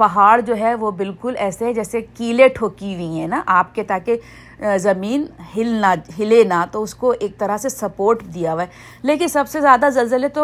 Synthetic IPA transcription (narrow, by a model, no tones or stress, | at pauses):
pɐɦaːɽd͡ʒoːɦɛʋobɪlkʊlɛːseɦɛd͡ʒɛːsekiːleʈʰoːkiʋĩɦɛ̃ːnaʔaːp̚ket̪aːke | zɐmiːnɦɪlnaɦɪlenat̪oʊskoʔeːk̚t̪ɐɾasesɐpoːɾʈd̪ijaʋaɛ | leːkɪnsɐbsezjaːd̪azɐlzəlet̪o